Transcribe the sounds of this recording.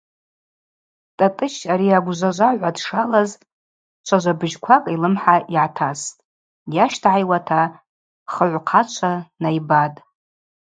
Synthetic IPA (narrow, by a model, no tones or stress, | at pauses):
tʼatʼɨʃaɾiaɡʷʒʷaʒʷaʕʷadʂalaz | t͡ʃʷʰaʒʷabɨʒkʷʰakʼilɨmħaiʕatʰastʼ | jaʃtʰʕajwatʰa | χəʕʷqʰat͡ʃʷʰanajbatʼ